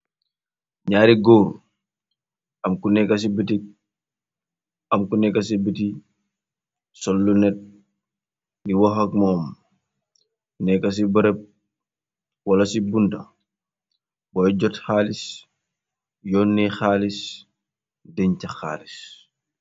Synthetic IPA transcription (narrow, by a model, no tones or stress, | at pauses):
ɲaːɾiɡoːɾ | ɐmkunɛkːɐs̬ibitik̚ | ɐmkunɛkɐs̬ibiti | sɔlːunɛt̚ | niwoxɐk̚mɔːm | nɛkɐs̬ibəɾɛp̚ | wɐlɐsibundɐ | bɔjɟɔtxaːlis | jɔːnːɛxaːlis | dɛɲcɐxa̰ːlis